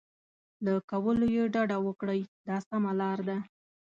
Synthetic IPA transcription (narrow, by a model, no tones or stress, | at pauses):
lakawəlojeɖɑɖawəkɽəjd̪ɑsamalɑɾd̪a